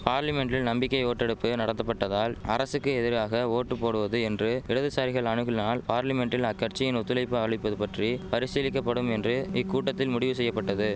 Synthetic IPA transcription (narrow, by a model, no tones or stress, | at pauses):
paːɾlɐmɛɳɖɪlnɐmbɪkːɐɪoːʈːɛɽɯpːɯnɐɽɐnɐpːɐʈːɐðaːlɐɾɐsɯkːɯɛðɪɾɣaːɣɐoːʈːɯpːoːɽɯʋɐðɯɛndrɯɪɽɐðɯsaːɾɪɣɐɭɐɳɯɣɪlnaːlpaːɾlɐmɛɳʈɪlɐkːɐɾt͡ʃːɪjɪnʊt̪ːɯlɐɪpːɯɐʋɐɭɐɪpːɐðɯpɐʈripɐɾɪsɪlɪkːɐpːɐɽɯmɛndrɯɪkːuːʈːɐt̪ːɪlmʊɽɪʋɯsɛjːɐpːɐʈːɐðɯ